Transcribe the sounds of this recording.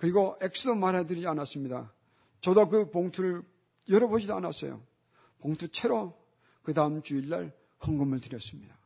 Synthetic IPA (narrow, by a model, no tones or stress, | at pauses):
kɯɾiɡoek̚s͈ʰɯdomaɾɦedɯɾid͡ʑianas͈ɯmɲida | t͡ɕʌdokɯpoŋtʰuɾɯɭ | jʌɾʌbod͡ʑidoanas͈ʌjo̰ | poŋtʰut͡ɕʰeɾo | kɯdaɯmt͡ɕuilːa̰ɭ | hɯŋɡɯmɯɭtɯɾjʌs͈ɯmɲida